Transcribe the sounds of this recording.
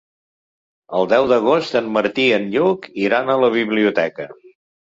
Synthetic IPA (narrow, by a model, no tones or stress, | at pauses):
əlˠd̪ɛwd̪əɣ̞ost̪ənməɾt̪iənʎukiɾanələβ̞iβliut̪ɛkə